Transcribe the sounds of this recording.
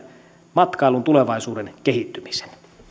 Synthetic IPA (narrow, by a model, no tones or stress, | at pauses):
mɑt̪kɑilunt̪ule̞ʋɑisuːdenk̟e̞ɦit̪ːymi̥se̥n